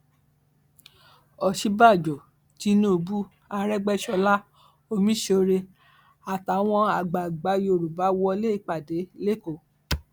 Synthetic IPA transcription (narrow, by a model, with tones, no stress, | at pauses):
ɔ˨ʃi˨˦ba˦˨d͡ʒɔ˨ | ti˨˧˦nũ˦o˧bu˦ | a˧ɾɛ˦ɡ͡bɛ˦ʃɔ˧la˦ | o˧mĩ˦ʃe˧o˧ɾe˧ | a˨ta˨˦w̃ɔ̃˧a˨ɡ͡ba˨ɡ͡ba˨˦jo˧˨ɾu˨ba˨˦wɔ˧le˦i˦˨k͡pa˨de˨˦le˦ko˦˨